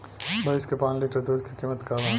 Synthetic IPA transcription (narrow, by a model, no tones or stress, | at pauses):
bʱɐɪskepãːnliːʈəɾd̪oːd͡ʒkikiːmət̪kaːʋã